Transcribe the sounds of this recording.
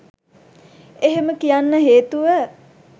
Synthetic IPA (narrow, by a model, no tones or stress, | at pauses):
eɦeməkijanːəɦeːt̪uʋə